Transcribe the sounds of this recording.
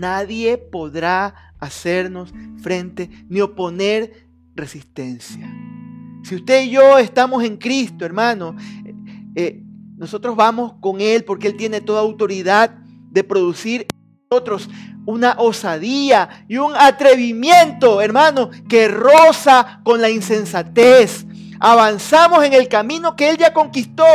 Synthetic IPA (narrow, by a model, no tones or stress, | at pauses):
naðje̞po̞ðɾaːse̞ɾno̞sfɾe̞nt̪e̞nio̞po̞ne̞ɾ | re̞sist̪e̞nsja | siust̪e̞iʝoe̞st̪amo̞se̞ŋkɾist̪oe̞ɾmãno̞s | eno̞sot̪ɾo̞zβamosko̞ŋe̞lpo̞ɾkeelt̪je̞ne̞t̪o̞ðaːawt̪o̞ɾiðað | d̪e̞pɾo̞ðusiɾ | ot̪ɾo̞sunaʔosaðiaiuŋat̪ɾe̞βimje̞nt̪o̞eɾmãno̞ske̞rosako̞nlainse̞nsat̪es | aβansamo̞se̞ŋe̞lkamĩno̞ke̞eld͡ʒako̞ŋkist̪o